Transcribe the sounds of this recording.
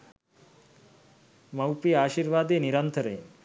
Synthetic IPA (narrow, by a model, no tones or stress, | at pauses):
mɐwpiaːʃiɾʋaːd̪eniɾənt̪ʰəɾḛ